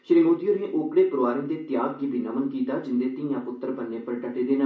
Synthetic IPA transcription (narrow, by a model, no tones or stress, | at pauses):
ʃɾimuːd̪jõːnẽːʔoːkɽeːpʊɾoʋaːɾĩːd̪eːt̪ɪjaːɡɡiːbʱiːnəmənkiːt̪aːd͡ʒɪnd̪eːt̪ɪ̃jãːpʊt̪ːəɾbənːẽːpəɾʈəʈeːd̪eːnə